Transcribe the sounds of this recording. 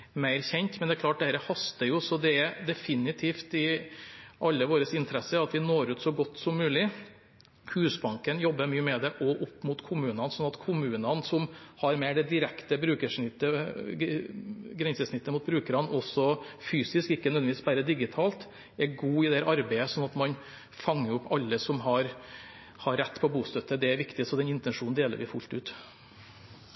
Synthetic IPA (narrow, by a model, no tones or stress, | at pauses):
mæɪɾçɛnt̪mɛnd̪ɛæklɑːʈ̚d̪ɛhæːɾəhɑst̪əɾjʊsɔd̪ɛɛɾd̪ɛfɪnɪt̪ʰiːft̪ɪ | ʔɑlːəʋoːɾəsɪnt̪ʰəɾɛsːəɑt̪ʋɪnoːɾʉːt̪sɔɡɔt̪ːsɔmːʉːlɪ | hʉːsbɑŋkənjɔbːəmyːəmɛd̪ɛʔɔʔʊpːmʊt̪kʰʊmʉːnɑnsɔnːɑt̪kʰʊmʉːnɑnsɔmhɑɾmæɪɖɛd̪ɪɾɛkt̪əbɾʉːkəʂɳɪt̪ːə | ɡɾɛnsəʂnɪt̪ːəmʊːt̪̚bɾʉːkəɾɑnɔsɔfyːsɪskɪkːənɛnɪʋiːsbæɾəd̪ɪɡɪt̪ʰɑːlt̪ | ɛɡuːɪd̪ɛæɾʔɑɾbæɪəsɔnːɑt̪mɑn | fɑŋːəɾʊpːɑlːəsɔmɦɑɾ | hɑɾːɛt̪ːpʰɔbuːst̪œt̪ːəd̪ɛæɾʋɪkt̪ɪsɔd̪ɛnɪnt̪ɛnʂuːnnd̪eːlə̰ɾʋɪfʉlt̪ʉːt̪